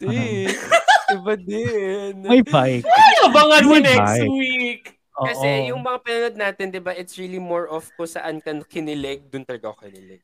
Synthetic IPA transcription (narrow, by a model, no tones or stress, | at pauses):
dɪbɐd̪ɛnajbajkɐbɐŋaɐnɛsj̪wik | ʔoːkːɐsʔɛjʊŋmɐŋapɐnɐnod̪̚naːt̪ɪnd̪ɪbaʔɪt̪sɹilimoɹʔɔfkʊsɐ̰ʔankɐnkɪnɪlɛɡ̚d̪ʊnt̪ɐlɐɡaokɐnɪlɛɡ̚